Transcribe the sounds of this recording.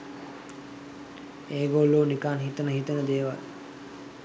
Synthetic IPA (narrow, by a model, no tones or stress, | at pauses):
eːɡolːoːnikaːnɦit̪ənəɦit̪ənəd̪eːʋa̰l